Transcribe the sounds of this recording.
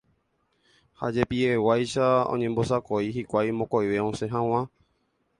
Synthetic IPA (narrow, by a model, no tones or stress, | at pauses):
ha̰d͡ʒe̞piewajʃaõ̰ɲẽmbo̞sakoiɦikʷajmõkojʋeõsẽɦãw̃ã